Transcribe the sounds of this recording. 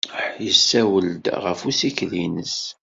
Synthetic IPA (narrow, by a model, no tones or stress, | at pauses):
ħjəsːæwəld̪ʁəfusiklinəs